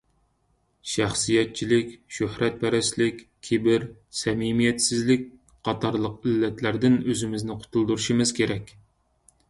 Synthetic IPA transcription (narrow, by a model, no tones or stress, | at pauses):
ʃæχsijɛt̪̚t͡ʃʰilɪkʲʃøhɾɛt̪̚pʰɛɾɛslɪkʲkʲʰebɪɾ | sɛmimijɛt̪sɪzlɪk̚ʲ | qʰɑt̪ʰɑɾlˠəqɪlːɛt̪ʰlæɾd̪ɪnøzɪmɪznɪqʰʊ̥t̪ʰulˠd̪uɾuʃimɪz̥kʲʰeɾɛkʲ